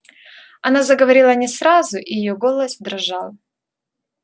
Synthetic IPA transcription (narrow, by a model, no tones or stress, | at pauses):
ɐnazəɡəvɐɾʲilˠənʲɪsɾazʊʔijɪjoɡo̞lˠəsʲvd̪ɾɐʐɑlˠ